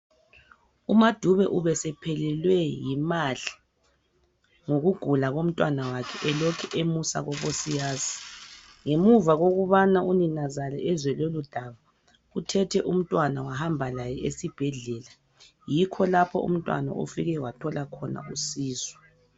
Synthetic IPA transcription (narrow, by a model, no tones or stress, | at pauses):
umad̥ʱuβɛʔuβɛsɛpʰɛlɛlwɛjimaɮi | ŋoɣuɡ̥ʱulaɣom̩tʼwanawakʰɛʔɛlɔkʰɛʔemusa̰ɣɔβosijaːsi̥ | ŋemuvaɣoɣuβanauninazalɛʔɛzwɛlolud̥ʱaβa | utʰɛtʰɛʔum̩tʼwanawaɦambʱalajɛesib̥ʱɛɮɛla | jikʰɔlapʰɔ̰ṵm̩tʼwa̰na̰ʔo̰fiɣɛwatʰɔlakʰɔna̰usiːzwɛ